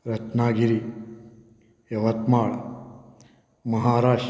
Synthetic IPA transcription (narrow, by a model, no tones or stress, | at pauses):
ɾɐt͡ʃnaːɡiɾi | jɐʋɐt̪maːɭ | mɐɦaːɾaːʃ